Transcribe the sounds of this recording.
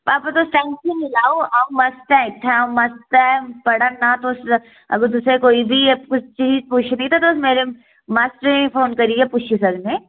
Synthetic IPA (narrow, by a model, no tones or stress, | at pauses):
paːpat̪osʈɛ̃ːŋksenɪlaːoʔamɐsʈ̪ɛ̃k̚ʈ̪ʰɛ̃mɐst̪apɐɽanat̪os | ɐ̰ɡət̪ʊsekoːibʱikʊt͡ʃt͡ʃiːzpuːt͡ʃʰnɐĩt̪ʰat̪oʊsmeːɾe | maːsʈɾẽfoːnkɐɾieput͡ʃʰisɐɡnẽː